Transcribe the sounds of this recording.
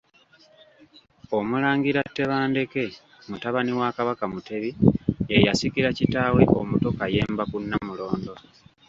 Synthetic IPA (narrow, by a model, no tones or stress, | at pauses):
o̞mulaːŋɡiɾatːe̞βaːnde̞ke̞ | mutaβaniwakaβakamute̞βiejasikiɾacitaweʔo̞mutokaje̞ːmbakunːamulo̞ːndo̞